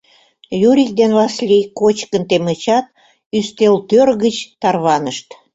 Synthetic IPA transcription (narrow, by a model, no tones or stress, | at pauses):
juɾʲik̚d̪enβɑslʲikot͡ɕkənt̪emə̆t͡ɕɑt̪̚ | yst̪elt̪ørɣət͡ɕt̪ɑrβɑnəʃt̪